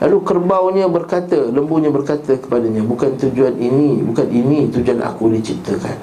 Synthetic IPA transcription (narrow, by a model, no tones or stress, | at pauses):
lʔa̰lukərbawɲãbərkat̪ələmbuɲabərkat̪əkə̥padaɲãbukant̪ud͡ʒuaninibukaninit̪ud͡ʒuana̰kudit͡ʃip̚t̪əka̰n